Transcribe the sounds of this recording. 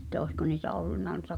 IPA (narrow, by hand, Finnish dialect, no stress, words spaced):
ĕtˑæ oisko niːtæ olːunːɑ nuĭtɑ